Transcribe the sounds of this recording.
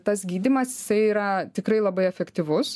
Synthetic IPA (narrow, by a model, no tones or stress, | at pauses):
t̪ɐsɡʲiːd̪ʲimɐsjɪsɐɪiːɾɐt̪ʲɪkɾɐɪlˠɐbɐɪɛfʲɛkt̪ʲiʋʊs